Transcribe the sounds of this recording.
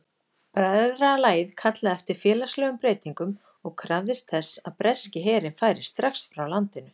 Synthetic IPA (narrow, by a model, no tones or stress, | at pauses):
pɾajððɾalaːjðkʰat̪laðɛft̪ɪɾ̥fjɛːlaslœːɣʏmpɾeːjt̪iŋkʏm | ɔɣkʰɾavðɪst̪θɛsːaðpɾɛscɪɦɛːɾɪnfaːjɾɪst̪ɾaxsfɾawlant̪ɪnʏ